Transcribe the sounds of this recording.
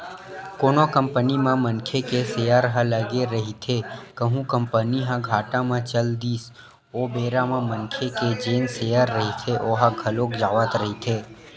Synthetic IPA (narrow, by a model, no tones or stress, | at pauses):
koːnokə̃mpənimãmə̃nkʰekesejəɾɦə̃ləɡeɾəɦit̪ʰekəɦũkə̃mpəniɦãɡʱaːʈãmãt͡ʃəld̪iːs | oːbeːɾamãmənkʰeked͡ʒeːnsejəɾːəɦit̪ʰeʔoːɦãɡʱəloːkd͡ʒaːʋət̪ɾəɦit̪ʰeː